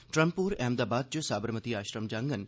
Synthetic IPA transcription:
ʈɾəmpuːɾɛːmd̪aːbaːd̪̚d͡ʒusaːbəɾmət̪iaːʃɾəmd͡ʒaːŋɡən

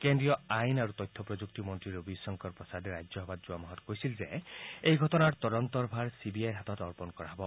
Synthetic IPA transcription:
kendɹijɔajnaɾut̪ɔjt̪ʰːɔpɹɔd͡ʒuk̚t̪imɔnt̪ɹiɾubisɔŋkɔɾpɹɔsad̪eɾajd͡ʒɔɦɔbad̪zuwamɔɦɔt̪kojsilzeejɡʱɔtɔnaɹt̪ɔd̪ɔnt̪ɔɾbʱaɹsibiajɦat̪ɔtɔɹpɔnkɔɹaɦbɔ

